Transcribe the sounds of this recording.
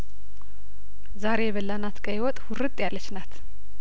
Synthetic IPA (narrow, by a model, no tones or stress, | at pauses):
zaɾe̞jβəlːanat̪kʼəjwɔt̪ʼhurɨt̪ʼjalːət͡ʃːnat̪